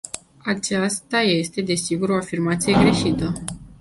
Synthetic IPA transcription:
at͡ʃast̪aje̞st̪e̞d̪e̞siɡuɾo̞afirmat̪sije̞ɡɾe̞ʃit̪ə

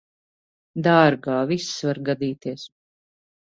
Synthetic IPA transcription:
d̪aɾɡaːvisvaɾɡad̪iːt̪iɛs

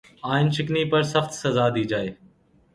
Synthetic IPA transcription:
aːɪnt͡ʃɪkniːpəɾsəxt̪səzaːd̪iːd͡ʒaːeː

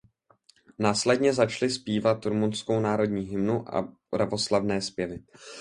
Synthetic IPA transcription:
naːslɛdɲɛzat͡ʃlɪspiːvat̪ɾumunsko̞wnaːɾo̞dɲiːɦɪmnuʔa̰pɾavo̞slavnɛːspjɛvɪ

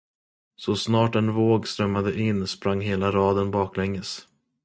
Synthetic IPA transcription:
sɔsnɑːʈɛnvoːɡst̪ɾœmːad̪əʔɪnːspɾaŋːɦeːlaɾɑːd̪ənbɑːklɛŋːəs

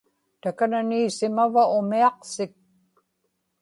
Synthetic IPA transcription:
t̪akananiːsɪmavaʊmiɑqsɪk̚

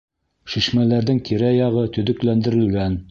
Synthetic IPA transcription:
ʃiʃmælæɾðɘŋt̪ʰiɾæjɑʁɤt̪ɵ̆ðɘ̆klænd̪ɘ̆ɾɘ̆lɡæn

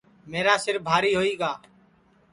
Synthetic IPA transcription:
meːɾaːsɪɾbʱaːɾiːɦoːiːɡaː

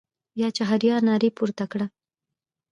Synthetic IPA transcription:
jɑt͡ʃaɦaɾjɑɾnɑɾipuɾt̪akɽa

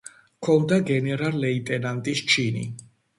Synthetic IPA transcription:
kʰɔnd̪aɡɛnɛɾalːɛit̪ʼɛnant̪ʼist͡ʃʰinḭ

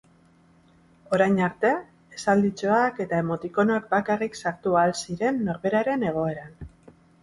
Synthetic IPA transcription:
o̞ɾajɲaɾt̪e̞ | esald̪it͡so̞ake̞t̪ae̞mo̞t̪iko̞noak̚bakariksaɾt̪ualsiɾe̞nːo̞ɾβe̞ɾaɾe̞ne̞ɣ̞o̞e̞ɾan

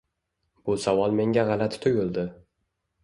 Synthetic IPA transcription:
b̥ʊsawɒlˠme̞ŋɡʲaʁɑlat̪t̪ʰʊɡʲʊlˠd̪ɪ

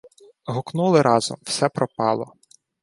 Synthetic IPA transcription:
ɦʊknulˠɪɾɑzɔ̰mw̥sɛpɾɔpɑ̰lˠɔ

